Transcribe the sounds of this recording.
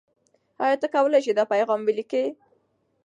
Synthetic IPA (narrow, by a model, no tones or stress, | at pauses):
ɑjɑt̪akawəlajʃ̬id̪ɑpajɣɑmwilike